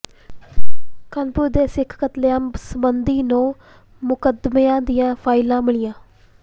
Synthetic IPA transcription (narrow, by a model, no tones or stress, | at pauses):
kənpʊɾd̪eːsɪkʰkət̪leãːsəmənd̪iːnõː | mʊkəd̪meãːd̪ɪjãːpʰaːɪlãːmɪɭɪjãː